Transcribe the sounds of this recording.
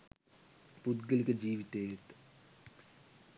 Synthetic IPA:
pud̪ɡəlikəd͡ʒiːʋit̪eːet̪

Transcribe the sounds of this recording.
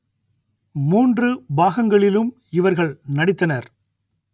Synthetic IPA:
muːndrɯbaːɣɐŋɡɐɭɪlɯm | ɪʋɐɾɣɐɭnɐɽɪt̪ːɐnɐɾ

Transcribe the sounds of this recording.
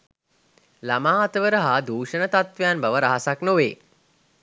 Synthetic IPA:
lamaːat̪əʋəɾəɦad̪uːʂənət̪at̪ʋejanbaʋəɾaɦasaknoʋeː

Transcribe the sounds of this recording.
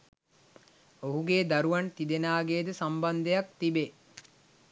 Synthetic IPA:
oɦuɡeːd̪aɾuʋaɳt̪id̪enaːɡeːd̪əsamband̪ejak̚t̪ibe

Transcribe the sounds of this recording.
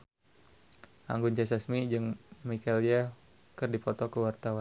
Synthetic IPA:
ʔa̰ŋɡunt͡ʃɛsasmid͡ʒɨŋmikalia | kərdipɔt̪ɔkəwart̪awan

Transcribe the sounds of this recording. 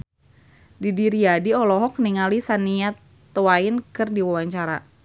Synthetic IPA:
didiɾiadiɔlɔɦɔk̚niŋalisaniat̪ː | owaɪnkɨrdiwawaɲt͡ʃaɾa

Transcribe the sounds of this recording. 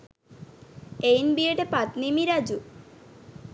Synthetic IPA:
ejnbieʈepat̪nimiɾad͡ʑu

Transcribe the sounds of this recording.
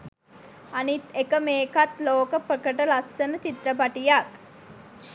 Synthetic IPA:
anit̪ekəmeːkat̪loːkəpɾəkəʈəlasːənət͡ʃit̪ɾəpaʈijak

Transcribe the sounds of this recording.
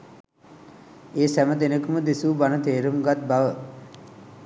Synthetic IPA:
eːsæməd̪enəkəməd̪esuːbanət̪eːɾumɡat̪̚baʋə

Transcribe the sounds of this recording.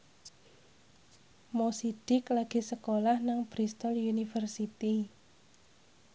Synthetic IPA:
mosid̥ɪklaɡ̥i̤səkolahnaŋb̥ɾist̪ɔljunifərsit̪i

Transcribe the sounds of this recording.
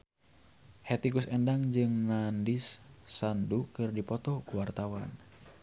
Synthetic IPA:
hɛt̪iɡusɛndaŋd͡ʒɨŋnandisːandukɨrdipɔt̪ɔkuwart̪awan

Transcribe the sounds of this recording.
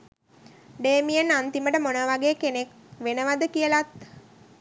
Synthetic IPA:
ɖeːmijənant̪iməʈəmonəʋaɡeːkenek | ʋenəʋad̪əkijəlat̪̚

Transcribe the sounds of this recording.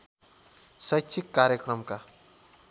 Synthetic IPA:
sʌjsʰikːaɾjekrʌmka

